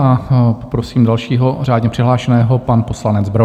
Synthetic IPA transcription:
ʔapopɾosiːmdalʃiːɦor̝aːdɲɛpr̥ɪɦlaːʃɛnɛːɦo̞panposlanɛd͡zbɾo

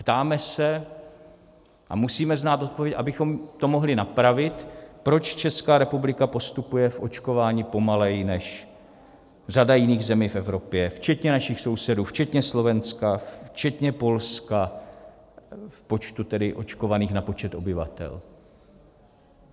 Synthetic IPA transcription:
pt̪aːmɛsɛ | ʔa̰musiːmɛznaːt̪o̞t̪̚povjɛcʔabɪxo̞mt̪o̞mo̞ɦlɪnapɾavɪt̪pɾo̞t͡ʃt͡ʃɛskaːɾɛpublɪkapo̞st̪upujɛfʔo̞t͡ʃko̞vaːɲiːpo̞malɛjnɛʃ | r̝adajɪniːɣzɛmiːfʔɛvɾo̞pjɛft͡ʃɛt̪ɲɛnaʃɪxso̞wsɛduːft͡ʃɛt̪ɲɛslo̞vɛnskaft͡ʃɛt̪ɲɛpo̞lska | fpo̞t͡ʃt̪ut̪ɛdɪʔo̞̰t͡ʃko̞vaniːxnapo̞t͡ʃɛt̪ʔo̞bɪva̰t̪ɛ̰l

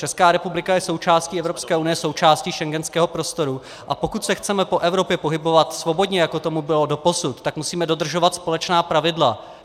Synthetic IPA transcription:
t͡ʃɛskaːɾɛpublɪkajɛso̞wt͡ʃaːsciːɛvɾopskɛːʔunɪjɛso̞wt͡ʃaːsciːʃɛŋɡɛnskɛːɦo̞pɾo̞st̪o̞ɾu | ʔapo̞kut̪sɛxt͡sɛmɛpo̞ʔɛvɾo̞pjɛpo̞ɦɪbovat̪svo̞bo̞dɲɛjako̞t̪omubɪlo̞do̞po̞sut̪ːakmusiːmɛdo̞d̪r̩ʒo̞vat̪spo̞lɛt͡ʃnaːpɾavɪdla

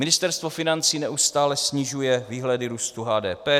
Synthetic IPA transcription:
mɪnɪst̪ɛɾst̪vofɪnant͡siːnɛʔust̪aːlɛsɲiʒujɛviːɦlɛdɪɾuːst̪uɦaːdɛ̰ːpɛː

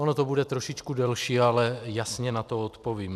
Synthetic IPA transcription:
onot̪obudɛt̪ɾoʃit͡ʃkudɛlʃiːalɛjasɲɛnat̪oot̪poviːm

